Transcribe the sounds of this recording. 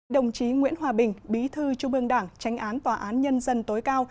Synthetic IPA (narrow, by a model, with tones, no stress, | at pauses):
ɗə˨˩wŋ͡mt͡ɕi˨˦ŋwḭ˧˥ənɦwaː˨˩ɓï˨˩ŋ̟ɓi˨˦t̪ʰɨ˧t͡ɕu˧ŋ͡mʔɨ˧˩əŋɗaː˧˩ŋt͡ɕa˨˦jŋ̟ʔaː˨˦nt̪waː˨˩ʔaː˨˦nɲə˧nzə˧nt̪o˨˦jkaː˧w